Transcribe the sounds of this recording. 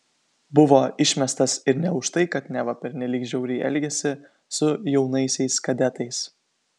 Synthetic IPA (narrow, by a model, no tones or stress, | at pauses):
bʊʋoːɪʃʲmʲɛst̪ɐsɪɾnʲɛʊʃt̪ɐɪkɐt̪nʲɛʋɐpʲɛɾʲnʲɛlʲiːkʒʲɛʊɾʲɪɪʔɛ̰lʲɡʲɛsʲɪ | sʊjɛʊnɐɪsʲɛɪskɐd̪ʲɛt̪ɐɪs